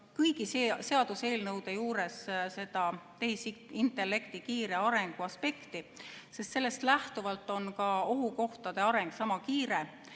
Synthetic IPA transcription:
kɯjɡ̥isese̞ɑd̪̥use̞ːlnɤwd̪e̞juːɾe̞sse̞d̪̥ɑt̪ejsint̪ːˑe̞lːe̞kt̪ikiːɾe̞ɑɾe̞ŋɡ̥uɑspe̞kt̪ise̞st̪se̞lːe̞st̪læht̪uvɑlt̪ːˑo̞nkɑo̞ɦuko̞ht̪ɑd̪̥e̞ɑɾe̞ŋɡ̥sɑmɑkiːɾe

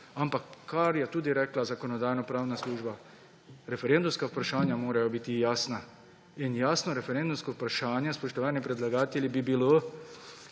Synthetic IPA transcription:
ampakːaɾjɛt̪uːd̪iɾɛːklazakonɔd̪aːjnɔpɾaːwnasluːʒba | ɾɛfɛɾend̪umskaupɾaʃaːnjamoːɾajobiːt̪ijaːsna | injaːsnɔɾɛfɛɾend̪umskoupɾaʃaːnjɛspɔʃt̪ɔʋaːnipɾɛd̪laɡaːt̪ɛlʲibibilo

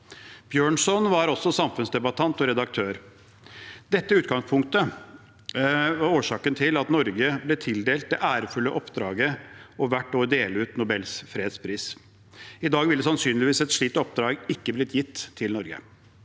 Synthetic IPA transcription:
b̥jøːɳʂɔnʋɑɾɔsːɔsɑmfʉnsd̪ɛbɑt̪ʰɑnt̪ɔɾɛd̪ɑk̚t̪ʰøːɾ | d̪ɛt̪ːəʉːt̪ɡɑŋspʰʊŋk̚t̪ə | ʋɑoːʂɑːkənt̪ʰɪlɑt̪nɔɾɡəblɛt̪ʰɪld̪eːlt̪̚d̪ɛ̰ʔæːɾəfʉlːəʔɔpd̪ɾɑːɡəɔʋæʈnoːd̪eːləʉːt̪nʊbɛlsfɾeːd̪spʰɾiːs | ɪd̪ɑːɡʋɪld̪ɛsɑnsyːnlɪʋiːsɛt̪ʂɭiːt̪ɔp̚d̪ɾɑːɡɪkːəblɪt̪jɪt̪ʰːɪlnɔɾɡə̰

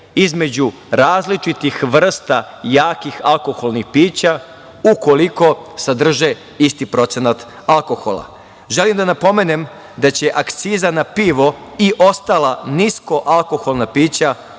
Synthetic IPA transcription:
izme̞d͡ʑu | ɾaːzlit͡ʃit̪ixʋr̩st̪a | jaːkixalko̞xo̞lˠnixpiːt͡ɕa | uko̞liko̞sad̪r̩ʒe | ist̪ipɾo̞t̪senat̪ | alko̞xo̰lˠa̰ | ʒe̞limd̪anapo̞mene̞m | d̪at͡ɕe̞ʔakt̪siːzanapiʋo̞iʔo̞st̪alˠanisko̞ʔalˠko̞xo̞lˠnapiːt͡ɕa

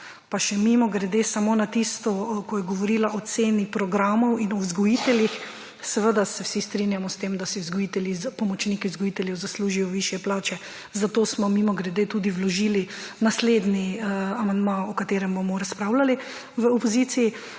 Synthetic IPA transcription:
paʃɛmimɔɡɾɛd̪eːsamoːnat̪ist̪ɔkɔjɛɡɔʋɔɾiːlaʔɔt̪seːnipɾɔɡɾaːmɔwinɔwzɡɔjit̪ɛljix | sɛʋəd̪asɛwsist̪ɾinjamɔst̪emd̪asizɡɔjit̪ɛljizpɔmɔt͡ʃniːkizɡɔjit̪ɛljɛwzasluːʒijɔʋiʃjɛplaːt͡ʃɛ | zat̪oːsmɔmimɔɡɾɛd̪et̪uːd̪iwlɔʒiːlinasled̪niamand̪maɔkat̪eːɾɛmbomɔɾaspɾawlali | ʋəɔpɔzit̪siji

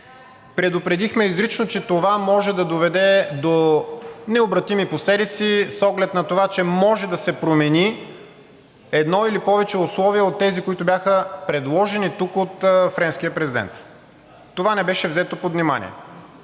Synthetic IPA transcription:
pɾɛd̪ʊpɾɛd̪ixmɛizɾit͡ʃnot͡ʃɛt̪ovamɔʒɛd̪ɐd̪ovɛd̪ɛd̪o | nɛobɾɐt̪imiposlɛd̪it̪sisɔɡlɛt̪nɐt̪ovat͡ʃɛmɔʒɛd̪ɐsɛpɾomɛni | ɛd̪nɔilipɔvɛt͡ʃɛʊslˠɔviɛot̪ːɛzikoit̪obʲjaxəpɾɛd̪lˠɔʒɛnit̪ukot̪fɾɛnskijəpɾɛzid̪ɛ̰nt̪ː | ovanɛbɛʃɛvzɛt̪opod̪vnima̰nʲḭɛ̰

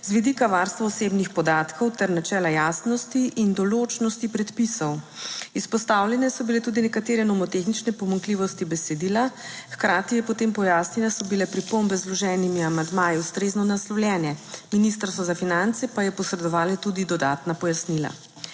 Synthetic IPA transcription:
zʋid̪ikaʋaːɾst̪ʋaɔseːbnixpɔd̪aːt̪kʰɔwt̪ɛɾnat͡ʃɛːlajaːsnɔst̪iʔind̪ɔlot͡ʃnɔst̪ipɾɛt̪pisɔwispɔst̪awlʲjɛnɛsɔbilɛt̪uːd̪inɛkat̪eːɾɛnɔmɔt̪exnit͡ʃnɛpɔmaŋkliʋɔst̪ibɛsɛd̪iːlaxkɾaːt̪ijɛpɔt̪eːmpɔjaːsninɛsɔbilɛpɾipombɛzlɔʒɛːnimiamand̪maːjiust̪ɾeznɔnaslɔwljɛːnjɛminist̪ɾsʋɔzafinant̪sɛpajɛpɔsɾɛd̪ɔʋaːlɛt̪uːd̪id̪ɔd̪aːt̪napɔjasnila̰

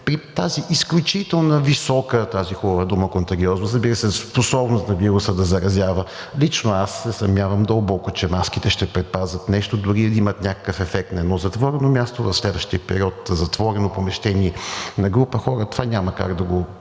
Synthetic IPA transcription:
pɾit̪aziʔisklʲut͡ʃit̪ɛlˠnəvisɔkət̪azixubəvəd̪uməkʊnt̪ɐɡʲiɔznɐsɐzbiɾəsɛsposɔbnʊst̪nɐviɾʊsəd̪ɐzɐɾɐzʲjavə | lʲit͡ʃnoasːɛsɐmʲavəmd̪əlˠbɔkʊt͡ʃɛmaskit̪ɛʃt̪ɛpɾɛt̪̚pazət̪nɛʃt̪od̪ʊɾiimət̪nʲakə̥kəfɛfɛk̚t̪nɐɛnɔzɐt̪vɔɾɛnomʲjast̪ovɐfslɛd̪vəʃt̪iəpɛɾiɔt̪zɐt̪vɔɾɛnopomɛʃt̪ɛniɛnɐɡɾupəxɔɾət̪ovanʲaməka̰ɡd̪ɐɡo

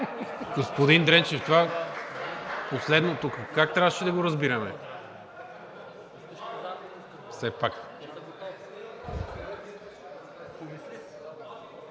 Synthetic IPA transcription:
ɡospod̪ind̪ɾɛnt͡ʃɛft̪ova | poslɛd̪not̪ukəkak̚t̪ɾʲavʃɛd̪ɐɡoɾɐzbiɾɐmɛ | fsɛpak

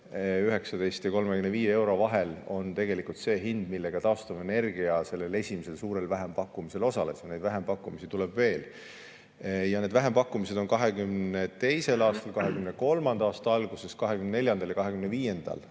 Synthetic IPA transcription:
yɦeksɑd̪e̞jst̪jɑko̞lmekymneviːjee̞wɾo̞vɑɦelo̞nt̪e̞ɡ̥e̞likult̪se̞ːɦind̪̥milːe̞ɡ̥ɑt̪ɑost̪ɑmene̞rɡ̥iɑse̞lːe̞le̞sʲimise̞lsuːɾe̞lvæɦe̞mpɑkːˑumise̞lo̞sɑle̞̰sne̞jd̪̥væɦe̞mpɑkːumisit̪ulɛbve̞ːl | jɑne̞d̥̪væɦe̞mpɑkːumise̞d̪̥o̞nkɑɦe̞kymnnet̪e̞jse̞lɑːst̪ɑlkɑɦekymneko̞lmɑnd̪̥ɑɑːst̪ɑɑlɡ̥use̞skɑɦekymneneljɑnd̪ɑljɑkɑɦe̞ɡ̥ymneviːje̞nd̪̥ɑ̰l

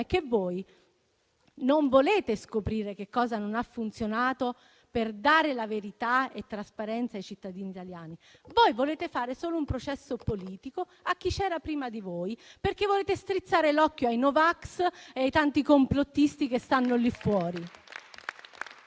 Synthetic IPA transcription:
ɛk̟ːevoːj | noɱvoleːt̪eskopɾiːɾekekːɔːzanonafːunt̪sjonaːt̪o | perd̪aːɾelaveɾit̪aet̪ːɾaspaɾɛnt̪sajt͡ʃit̪ːad̪iːniːt̪aljaːnivojvoleːt̪efaːɾesoːloumpɾot͡ʃɛsːopoliːt̪iko | ak̟ːit͡ʃɛːɾapɾiːmad̪ivoːjperkevoleːt̪est̪ɾit̪sːaːɾelɔkːjoajnovakseajt̪ant̪ikomplot̪ːist̪ikest̪anːolifːwɔːɾi

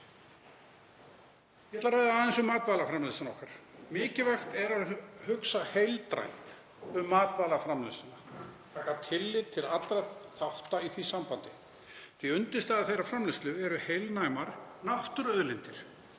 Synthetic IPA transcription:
ɛat̪aɾaːjðaðɛnsʏmaːk̪vaːlafɾamlɪst̪anɔhkaɾ̥mɪːcɪvaxt̪ɛɾaðhʏksahejlt̪ɾa̰jnt̪ | ʏmːaːt̪vaːlafɾamlɪst̪ʏnat̪ʰaːkat̪ʰɪlːɪt̪ʰɪlat̪lɾaθaht̪aiθvisampant̪ɪ | θviʏnt̪ɪst̪aaθejrafɾamlɪst̪lʏɛɾʏhejlnajmaɾnaht̪ʏɾœðlɪnt̪ɪɾ̥

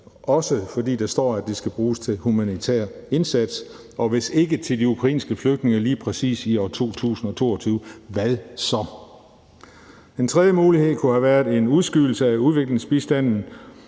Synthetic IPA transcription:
ʔɒ̽səfɒ̽d̥ḭːd̥ɑsd̥ɒ̰ːæd̥esɡ̥æb̥ʁuːst͡sʰe̝lhumænit͡sʰæ̰ːɐ̰e̝nsæd̥s | ɒ̽ʋe̝se̝ɡ̥ət͡sʰe̝ld̥iukʰʁɑ̈ḭːnsɡ̥əfløɡ̥̚d̥ne̝ŋɐliːpʰʁɛsḭːsiɒt͡sʰo̝̰ːt͡sʰṵːsn̩ɒ̽t͡sʰo̝̰ːɐt͡sʰyːʊəʋæðˠsɒ̽ | d̥ent͡sʰʁɛðˠjəmuːlihe̝ð̞̰ˠkʰuhæʋæɐðˠe̝nuð̞ˠsɡ̥yːl̩səæuð̞ˠʋe̝ɡ̥le̝ŋsb̥isd̥æn̰n̩

